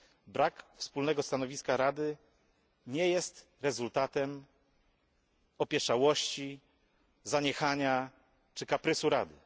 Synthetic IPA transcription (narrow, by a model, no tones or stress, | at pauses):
bɾakfspulnɛɡɔst̪anɔvʲiskaɾad̪ɘ | ɲɛjɛst̪ | ɾɛzult̪at̪ɛm | ɔpʲjɛʂawɔɕt͡ɕi | zaɲɛxaɲa | t͡ʂɘkapɾɘsuɾad̪ɘ̰